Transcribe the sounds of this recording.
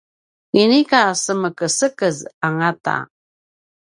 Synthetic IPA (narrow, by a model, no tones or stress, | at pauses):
inikasəməkəsəkəzaŋata̰